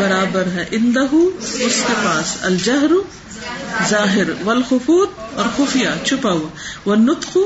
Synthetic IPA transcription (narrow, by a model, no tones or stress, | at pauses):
bɐɾaːbəɾɦɛʔɪ̃nd̪ɐɦuʊskepaːsɐ̰ld͡ʒɐɦɾ | zaːɦɪɾʋɐlxʊfuːt̪̚ɔːɾxʊfɪjat͡ʃʰʊpaːuaʋɐnːʊt̪qʊ